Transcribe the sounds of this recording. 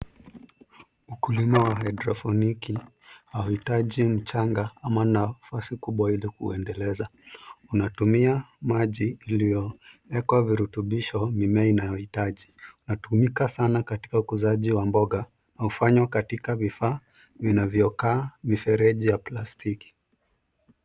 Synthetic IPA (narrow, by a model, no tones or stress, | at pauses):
ukulimawahadɾɔfɔniki | hauhitaʄim̩t͡ʃaŋɡaamanafasikuɓwailikuɛndɛlɛzaunatumiamaʄiːlijɔɛkwaviɾutuɓiʃɔmimɛainajɔhitaʄiunatumikasanakati̥kaukuzaʄiwambɔɠa | naufaɲwakatikavifaː | vinavjɔkaːmifɛɾɛʄijaplastiki̥